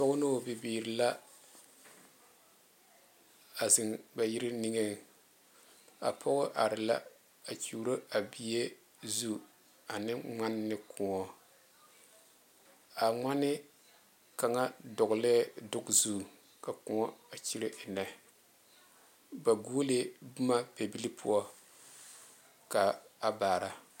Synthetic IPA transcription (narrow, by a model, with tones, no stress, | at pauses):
tɔ˦ɡʊ˦no˦˨bi˨biː˨ɾɪ˨la˦ | a˨zɪ˨ŋba˨ji˦ɾɪ˦ni˦ŋe˦ | a˨pʰɔ˦ɣʊ˦ʔa˨ɾɪ˨la̰˦ | a˨t͡ʃuː˨ɾo˦a˨bi˨je˦ | zu˦ | a˨nɪ˦ŋ͡ma˦nːɪ˦kʰʊ˨ŋɔ˦ | a˨ŋ͡ma˦nɪ˦ | ka˨ŋa˦dɔ˨ɡʊ˨lɛ˦dʊ˦ɡzu˦˨ | ka˨kʊ˨ŋɔ˦a˨t͡ʃi˦ɾɪ˦ʔɪ˨nɛ˨ | ba˨ɡu˦le˦bʊ˦ma˦pe˨bi˦li˦pʰṵ˦ɔ˦ | ka˨a˨baː˨ɾa˦